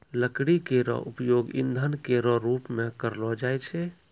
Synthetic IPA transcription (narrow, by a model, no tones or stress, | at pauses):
ləkɽikeɾɔ̰upjoɡḭnd̪ʱənkeɾɔɾupmekəɾlɔd͡ʒajt͡ʃʰɛ